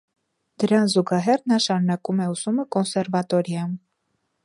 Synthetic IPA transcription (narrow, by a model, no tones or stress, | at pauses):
d̪̥əɾɑnzuɡɑɦɛrnɑʃɑɾunɑkumɛusuməkɔnsɛɾvɑt̪ɔɾjɑm